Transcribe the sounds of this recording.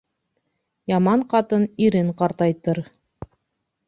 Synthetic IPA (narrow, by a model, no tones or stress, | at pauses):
jɑmɑɴqɑt̪ɤniɾɘŋqɑɾt̪ɑjt̪ɤɾ